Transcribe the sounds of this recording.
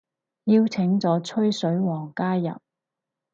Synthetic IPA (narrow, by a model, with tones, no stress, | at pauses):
jiː˧wt͡sʰɪ˨˥ŋt͡sɔː˨˥t͡ʃʰɵ˥ɥsɵ˨˥ɥwɔː˨˩ŋkaː˥jːɐ̰˨p̚